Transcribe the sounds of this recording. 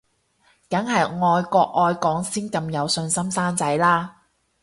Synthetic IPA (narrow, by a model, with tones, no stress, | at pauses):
kɐ˨˥ŋhɐ˨jŋɔː˧jkɔː˧k̚ʔɔː˨˧jkɔː˨˥ŋsiː˥nkɐ˧mjɐ˨˧wsɵ˧nsɐ˥msaː˥nt͡sɐ˨˥jlaː˥